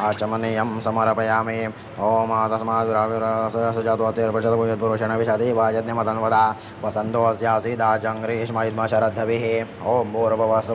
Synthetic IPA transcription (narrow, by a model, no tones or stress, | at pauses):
aːt͡ʃɐmɐnijɐmsɐmɐɾɐpɐjaːmi | oːmaːt̪ɐsɐmaːd̪ʋɾaːʋiɾɐssɐt͡ʃaːt̪uɐt̪iːɾpɐʃɐt̪ɐbuːd͡ʒɐt̪̚buɾoːʃɐɳɐʋiʃaːt̪iːʋaːd͡ʒɐd̪nɐmɐt̪ɐnʋɐd̪aː | pɐsɐnt̪oːsjaːsiːd̪aːd͡ʒɐŋɡɾiːʃmɐːid̪maːt͡ʃɐɾɐd̪ʱːɐʋiɦi | oːboːɾɐbʱɐʋɐs